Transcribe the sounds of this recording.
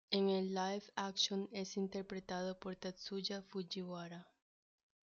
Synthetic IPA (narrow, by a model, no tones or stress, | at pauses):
eŋelajfakʃonesint̪eɾpɾet̪aðopoɾt̪asud͡ʒafud͡ʒiwaɾa